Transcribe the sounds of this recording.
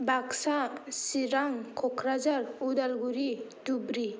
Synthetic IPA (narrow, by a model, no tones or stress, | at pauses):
baksasiɾaŋkʰɔkʰɾazaɾudalɡuɾidubɾi